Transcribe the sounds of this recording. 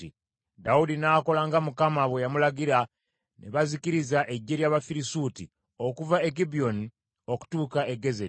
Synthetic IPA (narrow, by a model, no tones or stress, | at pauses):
i | daudinaːko̞laŋɡamukamaβwejamulaɡiɾa | nʔe̞̰βazikiɾizaʔe̞ɟːe̞ɾjaβafiɾisutḭ | o̞kuvaek̬ibijo̞ni | o̞ku̥tuːkae̞ɡe̞ze